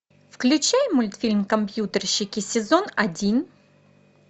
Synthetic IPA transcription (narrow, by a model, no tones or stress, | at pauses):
fklʲʉt͡ɕæjmʊlʲt̪fʲilʲmkɐmpʲjut̪ərɕːɪkʲɪsʲɪzonɐdʲin